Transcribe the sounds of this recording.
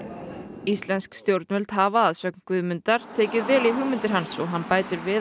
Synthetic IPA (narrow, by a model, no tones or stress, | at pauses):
ist̪lɛnskst̪jowɾt̪nmɛlt̪ɦavaːðsœknkvʏðmʏnt̪aɾ̥t̪ʰeːcɪðvɛːliɦʏːmʏnt̪ɪɾ̥ɦansɔɦanːpaːjt̪ɪɾvɪ